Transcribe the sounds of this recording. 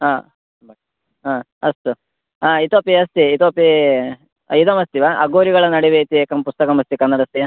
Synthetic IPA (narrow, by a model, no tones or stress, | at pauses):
ɦaː | aː | ɐst̪u | aːit̪oːpiɐst̪iːt̪oːpi | id̪ɐmɐst̪iʋaʔɐ̰ɡoːɾiɡɐɭɐnɐɽiʋet̪ieːkɐmpust̪ɐkɐmɐst̪ikɐnːɐɽɐst̪i